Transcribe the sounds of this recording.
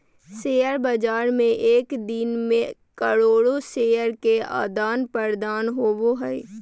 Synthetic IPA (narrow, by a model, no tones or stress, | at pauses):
seːjəɾbəd͡ʒaːɾmẽʔeːkd̪ɪnmẽkɐɽoːɽoseːjəɾkea̰ːd̪aːnpəɾd̪aːnɦoːboɦɛː